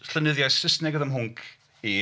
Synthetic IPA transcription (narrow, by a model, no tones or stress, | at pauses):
ɬənɨðjajsəsnɛɡəðəmɦʊŋkʰ | i